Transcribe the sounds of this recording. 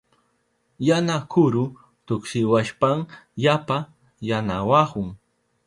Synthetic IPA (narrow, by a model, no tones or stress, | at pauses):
janakʊɾʊ | t̪ʊkʃɪwaʃpaŋjapa | janawahʊŋ